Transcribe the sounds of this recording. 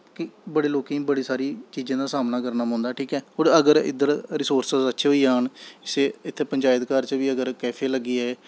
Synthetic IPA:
kɪbəɽeːloːkẽːbəɽiːsaːɾiːt͡ʃiːd͡ʒãːd̪aːsaːmnaːkəɾnaːɦɔ̃ːnd̪aːʈʰiːkɛːɦoːɾəɡəɾɪ̰d̪əɾɾɪsoːɾsəzətːʃʰɦoːiːaːɳɪseːɪt̪ʰːeːpəɲd͡ʒaːjəd̪kaːɾt͡ʃəʋiːəɡəɾkɛːpʰeːləɡːiːɛː

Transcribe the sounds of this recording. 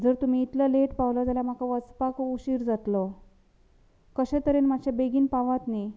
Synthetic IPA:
d͡zəɾt̪um̤iːt̪ləleʈpaʋlad͡zaljam̤akaʋəspakuɕiːɾd͡zat̪lɔ | kəɕɛ̃t̪əɾenmaɕjabeɡiːnpaʋat̪ni

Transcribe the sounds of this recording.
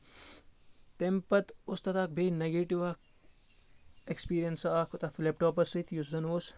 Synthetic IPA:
t̪empɐt̪ost̪ɐt̪ak̚bʱejneɡeʈiʋak̚ | ekspiːɾijɐnsɐaːkot̪ɐt̪ʰlep̚ʈoːpɐsɨt̪juszɐnoːs

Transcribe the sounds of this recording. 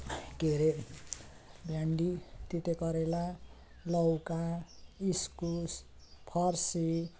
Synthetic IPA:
keɾe | bjaɳɖit̪it̪ekʌɾela | lʌwkaiskus | pʰʌrsi

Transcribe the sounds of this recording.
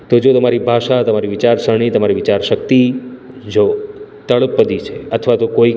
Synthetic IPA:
t̪od͡ʒot̪əmaɾibʱaʃat̪əmaɾiʋɪt͡ʃaɾsəɽ̃it̪əmaɾiʋɪt͡ʃaɾʃək̚t̪i | d͡ʒot̪əɭəpːəd̪it͡ʃʰeət̪ʰʋat̪okoi

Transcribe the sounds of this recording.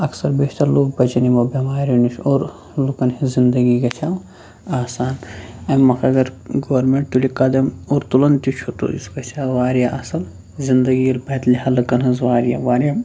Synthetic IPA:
ɐksɐɾbeːʃt̪ɐɾloːk̚bɐt͡ʃɐnimɐbɐmaːɾiniʃoːɾ | lukɐnhizind̪ɐɡiɡɐt͡ʃʰam | aːsaːnɐmːɐkɐɡɐɾɡoʋɐɾmeɳʈt̪ulikɐd̪ɐmoːɾt̪ulɐnt̪it͡ʃʰut̪o̰ḭskɐt͡ʃʰaʋaːɾjaʔɐsɐl | zind̪ɐɡiɐlbɐːt̪lihɐlɐkɐnɐzʋaːɾja̰ʋaːɾʲja

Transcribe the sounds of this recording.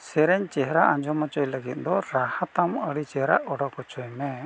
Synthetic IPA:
sɛɾɛɲt͡ʃɛɦɾaʔãɲd͡ʒɔmɔt͡ʃɔjləɡit̪̚ˀd̪ɔɾahat̪aməɽit͡ʃɛɦɾa̰ʔɔɽɔkɔt͡ʃɔjmɛ

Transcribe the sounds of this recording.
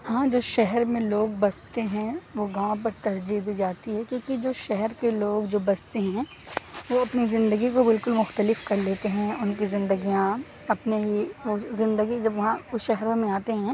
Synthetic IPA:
hãːd͡ʒoːʃɛɦɛɾmẽloːɡ̚bɐst̪eɦɛ̃ʋoɡãːʋõp̬ɐɾt̪ɐɾd͡ʒid̪id͡ʒaːt̪iɦɛkjõːkid͡ʒoːʃɛɦɛɾkeloːɡd͡ʒoːbɐst̪eɦɛ̃ | ʋoɐpnizɪ̃nd̪əɡikobɪlkʊlmʊxt̪əlɪfkɐɾleːt̪eɦɛ̃ʊnkizɪ̃nd̪əɡijã | ɐpneɦiʋoːzɪ̃nd̪əɡid͡ʒɐbʋɐɦãʊsʃɛɦɾõmẽaːt̪eɦɛ̃

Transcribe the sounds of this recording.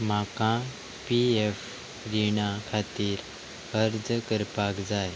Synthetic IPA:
m̤akã | pief | ɾiɳakʰat̪iːɾ | əɾd͡zkəɾpakd͡zaj

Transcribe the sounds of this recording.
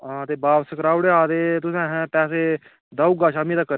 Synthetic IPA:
ãːt̪eːbaːbsəkɾaːʊɽeaːd̪eːt̪ʊsɛ̃ːɦɛ̃ːpɛːs̬eː | d̪aːuːɡaːʃaːmĩːd̪aːkəɾ

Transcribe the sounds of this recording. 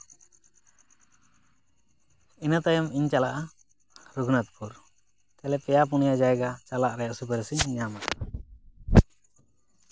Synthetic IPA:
inat̪ajamiɲt͡ʃalaʔa | ɾuɡnat̪̚pʰuɾ | k̪ɛlɛpɛjap̬unijad͡ʒaɛɡat͡ʃalaʔɾɛjaʔsupɛɾsiɲɲamaʔa

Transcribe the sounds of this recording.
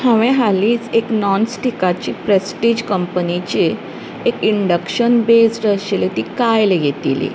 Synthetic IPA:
hə̃ʋẽɦaliːt͡seknɔnsʈikat͡ɕipɾesʈid͡ʑkəmpənit͡ɕeː | kiɳɖəkɕənbesʈəɕelet̪ikajleɡʱet̪ḭlḭ

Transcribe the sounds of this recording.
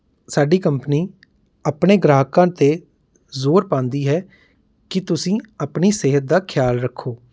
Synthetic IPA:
saːɖiːkəmpniː | aːpɳeːɡɾaːɦkãːt̪eː | zoːɾpãːnd̪iːɦɛː | kɪt̪ʊsĩːəpɳiːseɦət̪̚d̪aːkʰɪjaːlɾəkʰːoː

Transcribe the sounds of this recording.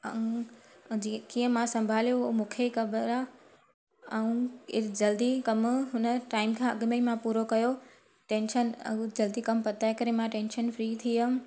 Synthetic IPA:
ɐ̃ | d͡ʑikiːə̃mãsɐ̃mbʱaːljomũːkʰekɐbəɾaː | ɐũːɪd͡ʑɐld̪ikɐmɦʊnəʈaːɪmkʰãːɐɠmeimãpuːɾokɐjo | ʈẽːnʃənɐ̰d͡ʑɐld̪ikɐmpɐt̪aːekɐɾemãʈẽːnʃənfɾiːt̪ʰiə

